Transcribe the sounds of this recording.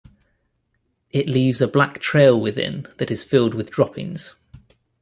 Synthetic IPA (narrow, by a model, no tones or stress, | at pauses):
ɪʔliːvzəblaktʰɹ̥eɪlˠwɪðɪ̰̃nðətɪz̥fɪlˠdwɪðdɹɒpɪ̰̃ŋz̥